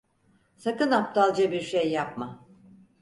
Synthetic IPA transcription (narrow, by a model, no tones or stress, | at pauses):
sakɯnap̚t̪ʰalˠd͡ʒabiɾʃejːap̚ma